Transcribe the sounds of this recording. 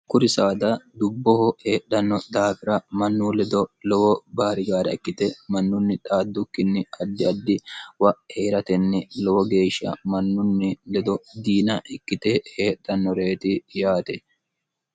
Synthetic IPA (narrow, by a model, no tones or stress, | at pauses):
kʊɾɪsaːd̪ɐd̪ʊbːɔhɔheːɗɐnːɔd̪aːfɪɾɐmɐnːuːlɛd̪ɔlɔwɔbaːɾɪɡaːɾɛɐkːɪt̪ɛmɐnːʊnːɪt̪ʼaːd̪ːʊkːɪnːɪɐd̪ːɪɐd̪ːɪwɐʔheːɾɐt̪ɛnːɪlɔwɔɡe̞ːʃɐ̰mɐnːʊnːɪlɛd̪ɔd̪iːnɐʔɪkːɪt̪eheːɗːɐnːɔɾe̞ːt̪ɪjaːt̪ɛ